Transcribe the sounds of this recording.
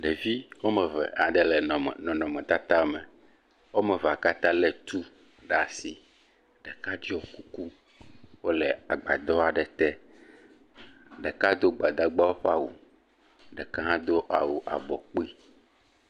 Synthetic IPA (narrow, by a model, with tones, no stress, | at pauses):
ɖe˨vi˦wo˦mɛ˨vɛ̰˨a˨ɖ̪ɛ˦lɛ˨nɔ̃˨nɔ̃˨mɛ̃˨t̪a˦t̪a˦mɛ˨ | wo˦mɛ˨va˨ka˦t̪ã˦lɛ˨t̪u˦ | ɖa˨si˨ | ɖ̥ɛ˨ka˦d͡ʒi˦wɔ˨ku˦ku˦ | wo˦lɛ˨a˨ɡ͡ba̰˨d̪ɔ˦a˨ɖɛ˨t̪ɛ˦ | ɖɛ˨ka˦d̪o˦ɡ͡ba˨d̪a˦ɡ͡ba˦wo˦ɸa˦wṵ˨ | ɖɛ˨ka˦ɦã˦d̪o˦ʔa̰˨wu˨ʔa̰˨bɔ˨k͡pi˦